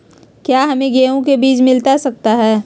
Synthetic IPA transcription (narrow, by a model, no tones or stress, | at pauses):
kjaːɦɐmẽɡeːõkebiːt͡ʃmɪlt̪asɐk̚t̪aɦɛː